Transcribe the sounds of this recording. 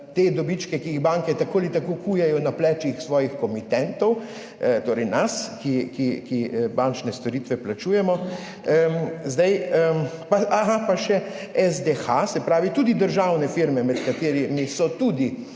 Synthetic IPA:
t̪eːd̪ɔbit͡ʃkɛkiiɣbaŋkɛt̪akoːlit̪akokʰuːjɛjɔnaplɛt͡ʃixsʋɔːjixkɔmit̪ɛnt̪ɔw | t̪oːɾɛjnaskikikibant͡ʃnɛst̪ɔɾiːt̪ʋɛplat͡ʃuːjɛmɔ | əzd̪ajəpaaɦapaʃɛɛzd̪exasɛpɾaːʋit̪uːd̪id̪əɾʒawnɛfiɾmɛmɛt̪kat̪eːɾimisɔt̪uːd̪i

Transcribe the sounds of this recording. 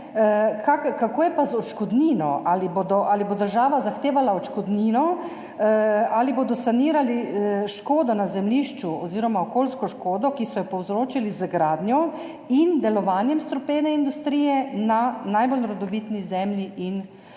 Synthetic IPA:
kʰakkakoːjɛpazɔt͡ʃkɔd̪niːnɔʔaliboːd̪ɔʔalibod̪əɾʒaːʋazaxt̪eːʋalaɔt͡ʃkɔd̪niːnɔ | aliboːd̪ɔsaniːɾaliʃkoːd̪ɔnazɛmliːʃt͡ʃuɔziːɾɔmaokoːlskɔʃkoːd̪ɔkisɔjɛpɔwzɾoːt͡ʃilizɡɾaːd̪nʲjɔ | ind̪ɛlɔʋaːnjɛmst̪ɾɔpeːnɛind̪ust̪ɾiːjɛnanajbolɾɔd̪ɔʋiːt̪nizɛmliʔin

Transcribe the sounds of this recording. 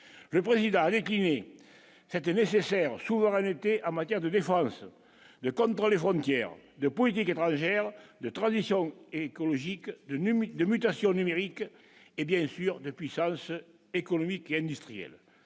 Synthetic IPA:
ləpʁezid̪ɑ̃ad̪ekline | sɛt̪ənesesɛʁəsuvəʁɛnət̪eʔɑ̃mat̪jɛʁd̪əd̪efɑ̃sə | d̪əkɔ̃nt̪ʁəlefʁɔ̃nt̪jɛʁə̰d̪əpɔlit̪̬iket̪ʁɑ̃ʒɛʁəd̪ət̪ʁɑ̃zisjɔ̃ŋekoloʒikəd̪əd̪əmyt̪asjɔ̃nymeʁikə | ebjɛ̃syʁd̪əpɥisɑ̃sə | ekonomikeɛ̃nd̪yst̪χijɛ̰l

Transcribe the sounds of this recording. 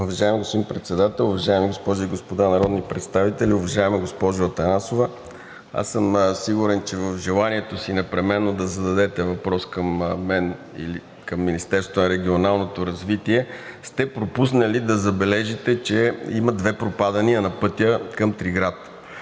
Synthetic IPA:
ʊvɐʒaɛmɡospod̪impɾɛt̪sɛd̪at̪ɛlˠʊvɐʒaɛmiɡospɔʒʊiɡospod̪anɐɾɔd̪nipɾɛt̪st̪avit̪ɛliʊvɐʒaɛmɛɡospɔʒʊɐt̪ɐnasovɐ | a̰səmsiɡuɾɛnt͡ʃɛvəvʒɛlˠaniɛt̪osinɛpɾɛmɛnːod̪ɐzɐd̪ɐd̪ɛt̪ɛvɐpɾɔskɐmːɛn | ḭli | kɐmːinist̪ɛɾsvonɐɾɛɡ̟ʲionalˠnot̪oɾɐzvit̪iɛst̪ɛpɾopusnɐlid̪ɐzɐbɛlɛʒit̪ɛt͡ʃɛimɐd̪vɛpɾopad̪ɐniənɐpɤt̪jəkɐmt̪ɾiɡɾat̪

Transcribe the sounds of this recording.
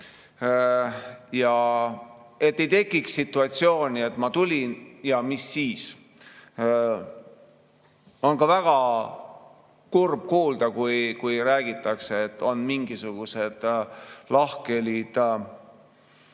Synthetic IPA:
jɑ | e̞t̪ːe̞jt̪e̞kːˑiksːit̪ːˑuɑt̪sio̞ːnʲie̞t̪ːmɑt̪ulʲinjɑmisːiːs | o̞nkɑvæɡ̥ɑ | kurb̥̚kuːld̪̥ɑkujkujɾæːɡ̥it̪ˑːɑkseet̪ːˑo̞nmiŋɡisuɡ̥use̞d̪̥lɑhke̞lid̪̥

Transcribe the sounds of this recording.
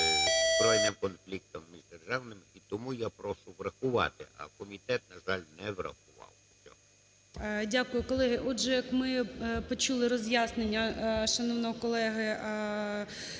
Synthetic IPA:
zbɾɔjnɪmkɔnflʲik̚t̪ɔmːʲiʒd̪erʒɑwnɪmit̪ɔmujapɾɔʃʊʋrɐxʊʋɑ̰t̪ɪ̰ɐ̰kɔmʲit̪ɛt̪̚nɐʒɑlʲnɛʋrɐ̰xʊʋɑ̰wʊt͡sʲɔ̰ɦɔ | dʲakʊjʊkɔlˠɛɦɪʔɔdʒɛjɐkmɪpɔt͡ʃulˠɪɾɔzʲjasnenʲːɐʃɐnɔwnɔɦɔkɔlˠɛɦɪ

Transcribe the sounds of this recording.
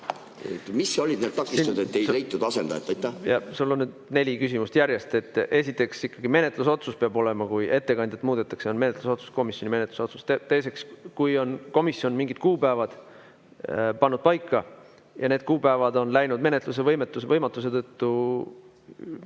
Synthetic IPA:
ḛt̪misːeolʲid̪nelt̪ɑkːˑist̪ɑnd̪et̪ːˑejlejt̪ːˑud̪ɑsend̪ɑ̰ḛt̪ːˑɑjt̪ːˑæjɑ̰sulːonːyd̪ne̞lʲikysʲimust̪jæɾjest̪e̞t̪ˑːʔe̞sit̪ːˑe̞ksikːɑɡime̞ne̞t̪ˑluso̞t̪suspeɑbo̞le̞mɑkuje̞t̪ːe̞kɑnʲd̪ʲjɑt̪ːˑmuːd̪̥e̞t̪ːˑɑkseo̞nme̞net̪luso̞t̪su̥sko̞misjo̞nʲime̞net̪lu̥so̞t̪sust̪et̪e̞jse̞kskujo̞nko̞misio̞nmiŋɡid̪̥kuːpæevɑd̪̥ | pɑnːud̪̥̚pɑjkːɑ | jɑne̞ːd̪̥kuːbæevɑd̪o̞nlæjnud̪me̞ne̞t̪luse̞vɤjmet̪ːˑusevɤjmɑt̪ːˑuse̞t̪ɤt̪ːu

